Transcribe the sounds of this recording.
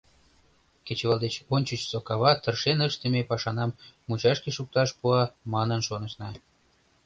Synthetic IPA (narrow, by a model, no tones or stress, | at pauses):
kʲet͡ɕβɑlˠd̪et͡ɕonʲt͡ɕət͡ɕsokɑβɑt̪ə̆rʃenəʃt̪ə̆mʲepɑʃɑnɑmːut͡ɕɑʃkʲeʃuk̚t̪ɑʃpuɑmɑnɤnʃonɤ̆ʃnɑ